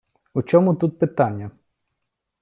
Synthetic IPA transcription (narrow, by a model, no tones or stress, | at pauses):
ut͡ʃɔmʊt̪ut̪̚pɪt̪ɑnʲːɐ